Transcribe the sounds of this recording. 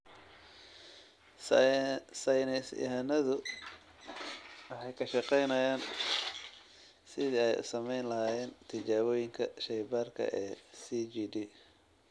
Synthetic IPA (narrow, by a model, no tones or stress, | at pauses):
sɐjnɛsj̰ɦɐnɐðʊ | wɑħɑjkʰɐʃɑqɛjnɐjaːn | sɪðiɛjʊ̰sɐmɛjnlɐɦaːjɛːnt̪ʰɪt͡ʃaːβɔːjɪŋkʰɐʃɛjbaːrkʰɐ̰ʔɛːsiːd͡ʒiːdiː